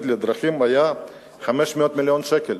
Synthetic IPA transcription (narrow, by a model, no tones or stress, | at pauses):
t̪led̪ɾaχimaja | χameʃmeot̪miljonʃekel